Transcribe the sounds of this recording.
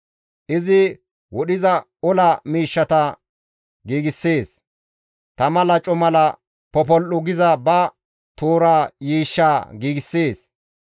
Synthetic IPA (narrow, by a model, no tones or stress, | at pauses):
ʔɪzɪ | wɔɗɪzɐ | ɔlɐmiːʃːɐt̪ɐ | ɡiːɡɪsːeːs | t̪ɐmɐlɐt͡ʃʼɔmɐlɐ | pɔpɔlʔʊɡɪzɐbɐ | t̪oːɾaːjiːʃːaːɡiːɡɪsːeːs